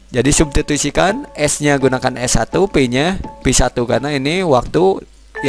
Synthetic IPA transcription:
d͡ʒadisum̚t̪it̪isikanɛsɲaɡunakanɛsat̪upiɲapisat̪ukarnainiwak̚t̪u | j

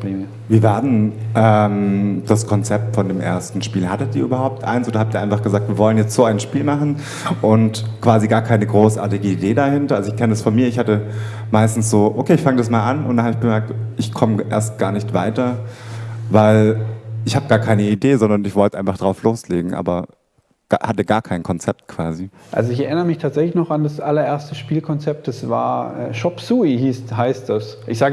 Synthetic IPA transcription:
viːɐvaɐdnʔɛmd̥askʰɔnt͡sɛp̚tfɔndeːmʔḛːɐstn̩ʃpiːlhatətdiːɐʔyːbɐhaʊp̚tʔa̰ɪnsʔoːdɐhaːptiːɐaɪfaχɡ̥əzaːk̚tv̥iːɐvɔlənjɛt͡stz̥oːaɪnʃpiːlmaχn̩ | ʔʊntkv̥aːziɡaːɐkʰaɪnəɡʁoːsʔa̰ːɐtɪɡəideːdahɪntɐʔalzoɪçkʰɛnədasfɔnmiːɐɪçhatə | maɪstn̩sz̥oːʔokʰeːɪçfaŋədasmaːlʔanʊntd̥anhaːbɪçɡ̥əmɛɐk̚tʔɪçkʰɔməʔḛːɐst̚ɡ̥aːɐnɪçtv̥aɪtɐ | vaɪlʔɪçhaːbəɡaːɐkʰaɪnəideːzɔndɐnɪçv̥ɔltə̥ʔaɪnfaχd̥ʁaʊfloːsleːɡŋ̩ʔa̰ːbɐ | ɡ̥ahatəɡaːɐkʰaɪnkʰɔnt͡sɛp̚t̚kʰv̥aːzi | ʔa̰lzoɪçɛɐʔɪnəʁəmɪçtʰaːtz̥ɛçlɪçnɔχandasʔalɐʔeɐstəʃpiːlkʰɔnt͡sɛp̚t̚d̥asv̥a̰ːɐɛ̰ːʃɔpsuːihiːshaɪst̚d̥as | ʔɪçz̥aːɡ

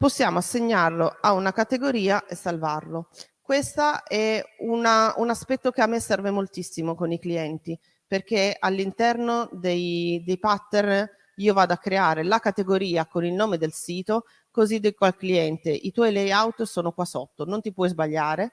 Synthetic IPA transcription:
posːjaːmoasːeɲːarloaunakat̪eɡoɾiːaʔesːalvarlo | kwest̪aɛunaunaspɛt̪ːokeamːesɛrvemolt̪isːimokonikliɛnt̪i | perk̟ealːint̪ɛrnod̪ejd̪ejpat̪ːern | iːovaːd̪oakːɾeaːɾelakat̪eɡoɾiːakonilnoːmed̪elsiːt̪o | kozid̪ekwalkliɛnt̪eʔit̪wɔjlejawt̪soːnokwasot̪ːonont̪ipwɔjzbaʎːaːɾe

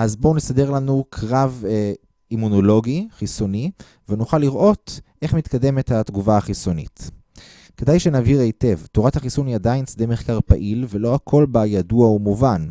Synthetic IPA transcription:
ʔazbo̞nesade̞ʁlanukʰʁav | imuno̞lo̞ɡiχiso̞ni | venuχalːiʁʔo̞tʔe̞χmit̪kade̞me̞thatɡuvaaχisonḭt | ke̞dajʃenaviʁejte̞vtoʁathaχisuniadajnt͡sd̪emeχkaʁpa̰ʔilvelo̞akʰo̞lbajaduaumuvan

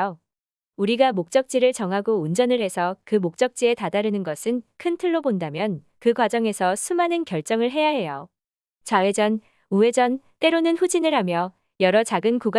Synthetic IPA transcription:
o | uɾiɡamok̚t͡ɕ͈ʌk̚t͡ɕ͈iɾɯɭt͡ɕʌŋɦaɡound͡ʑʌnɯɭɦesʰʌkɯmok̚t͡ɕ͈ʌk̚t͡ɕ͈ie̞tadaɾɯnɯnɡʌsʰɯnkʰɯntʰɯɭːobondamjʌn | kɯɡwad͡ʑʌŋe̞sʰʌsʰumanɯnkjʌɭt͡ɕ͈ʌŋɯɭɦe̞jaɦe̞jo | t͡ɕawe̞d͡ʑʌn | ue̞d͡ʑʌnt͈e̞ɾonɯnɸud͡ʑinɯɭɦamjʌ | jʌɾʌt͡ɕaɡɯnkuɡ

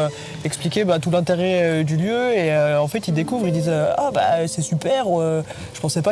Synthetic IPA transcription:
ɛksplikʲebat̪ulɛ̃t̪eʁɛød̪yljøeøɑ̃fɛt̪ild̪ekuvʁild̪izøaba̰sɛsypɛʁ | ʒə̥pɑ̃sɛpa

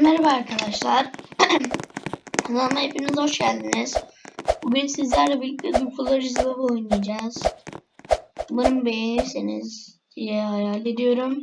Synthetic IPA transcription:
nːaɾbaaɾkʰad̪aʃlˠaɾ | zanaepʰinizhoʃɟælʲd̪iniz̥ubinsizlʲæɾlabilʲcid̪ukʰulˠːaɾd͡ʒizlˠabulˠuniad͡ʒaːz̥ | bunumbe̞jeniɾsinizd̪̥ijɛajalʲed̪ijo̞ɾum

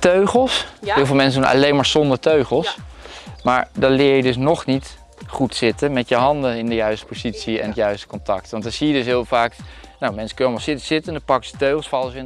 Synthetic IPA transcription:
tøɥχəlˠsɦɪːlˠvɪlˠmɛnsədunɑ̰lejnmaːɹzɔndəɹtøɥχəlˠs | ma̰ːɹdɑnlɪːɹjədɵs̬nɔχnit | χutsɪtənmɛtjəɦɑndəɪndəjœɥstə̥pozitsiɛ̰nətjœɥstə̥kɔntɑk̚tʋɑntɑsijədɵsɦɪːlˠvaːknawmɛnsə̥kɵnəɑlmɑlˠsɪtəz̥ɪtəndɑpɑkəsə̥tøɥχəlˠsfɑlˠsɪn

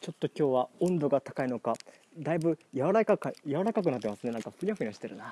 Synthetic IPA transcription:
t͡ɕo̞t̪ːo̞kʲo̞ːβaõ̞nd̪o̞ɡat̪ḁkaino̞ka | d̪aibɯ̟jaβaɾakakajaβaɾakak̬ɯ̟nat̪ːemasɨne̞nãŋkaɸɯ̟ɾʲiaɸɯ̟ɲʲiaɕi̥t̪eɾɯ̟na

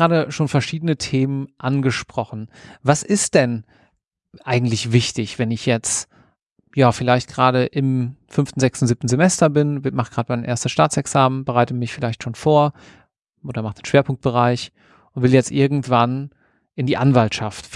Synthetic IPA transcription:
ʁaːɾəʃoːnfɛɐʃiːdənətʰeːmənʔanɡəʃpʁ̥ɔχn̩vasɪstd̥ɛn | ʔaɪɡŋ̩tlɪçv̥ɪçtɪçv̥ɛnɪçjɛt͡st | jaːfɪlaɪçt̚ɡ̥ʁaːɾəʔɪmfʏnftn̩zɛkstn̩ziːp̚tn̩zemɛstɐbɪnmaχɡ̥ʁaːdəmaɪnʔḛːɐstəsʃtaːt͡sɛksaːmənbəʁaɪtəmɪçfɪlaɪçtʃoːnfoːɐ | ʔoːdɐmaχd̥enʃveːɐpʰʊŋk̚t̚b̥əʁ̞aɪç | ʔʊntv̥ɪljɛt͡stʔɪɐɡŋ̩tv̥an | ʔɪndiːʔanvaltʃaft

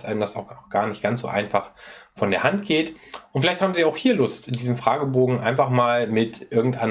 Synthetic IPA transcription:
sʔaɪnəmdasaʊxʊxɡ̥aːɐnɪçtɡ̥ant͡sz̥o̰ːʔaɪnfaχfɔndeːɐhant̚ɡ̥eːtʔʊntfɪlaɪthaːbmziːaʊxhiːɐlʊstɪndiːzəm̩fʁ̥aːɡəboːɡŋ̩ʔa̰ɪnfaχmaːlmɪtʔɪɐɡŋ̩tʔaɪn

